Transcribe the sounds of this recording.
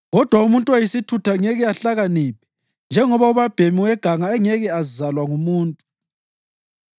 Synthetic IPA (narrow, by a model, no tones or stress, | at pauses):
ɣɔd̥ʱwaumuntʼuwajisitʰutʰaŋɛɣɛaɬaɣaniːp̚ʰɛ̥ | nd͡ʒʱɛŋɔβauβab̥ʱemiwɛɡ̥ʱaŋaɛŋɛɣɛazalwaŋumuːntʼu